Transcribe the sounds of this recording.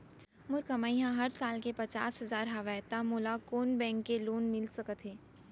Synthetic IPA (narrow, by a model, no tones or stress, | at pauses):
mʊɾkəmaːiɦãɦɐɾsaːlkepɐt͡ʃaːsɦɐzaːɾɦɐʋajt̪amolakoːnbɛ̃ːŋkːeloːnmɪlsɐkət̪ɦeː